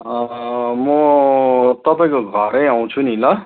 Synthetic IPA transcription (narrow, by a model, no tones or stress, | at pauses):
ʌmʌ | t̪ʌpaĩkoɡʱʌɾʌjaw̃t͡sʰunilʌ